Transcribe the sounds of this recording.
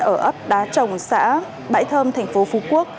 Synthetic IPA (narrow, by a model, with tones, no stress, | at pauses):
ʔəː˧˩ʔə˦˥p̚ɗaː˨˦t͡ɕə˨˩wŋ͡msa̰ː˧˥ | ɓa̰ː˧˥jt̪ʰəː˧mt̪ʰa˨˩jŋ̟fo˨˦fu˨˧˦ku˦˥ək̚